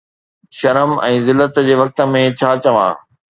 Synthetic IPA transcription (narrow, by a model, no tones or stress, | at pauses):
ʃɐɾəmɛ̃ːzɪlːət̪d͡ʑeːʋɐk̚t̪ə̆mẽt͡ɕʰaːt͡ɕɐʋã̰ː